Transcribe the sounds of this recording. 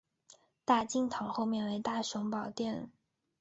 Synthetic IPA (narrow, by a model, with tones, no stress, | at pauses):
t̪a˥˩t͡ɕi˥˧ŋt̪ʰɑ˧˥˦ŋxo˥˧ʊmjɛ˥˩nwe˧˥ɪt̪a˥˩ʂʊ˧˥ŋpɑ˨˩ʊt̪jɛ˥˩n˩